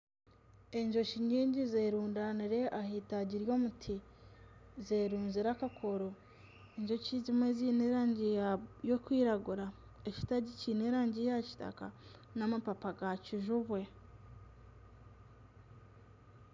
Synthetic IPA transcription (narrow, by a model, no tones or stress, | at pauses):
e̞ɲʒo̞ʃiɲiːɲɟizeːɾuːndaniɾe̞ʔahitaɟiɾjo̞ːmutʰi | zeɾuːnziɾakakʰo̞ɾo̞ | eɲʒo̞cizimwe̞zineɾaːɲɟiajo̞kwiːɾaɡuɾa | eci̥taɟicineɾaːɲɟijaci̥ta̰ka̰ | namapapaɡaciʒuβwe̞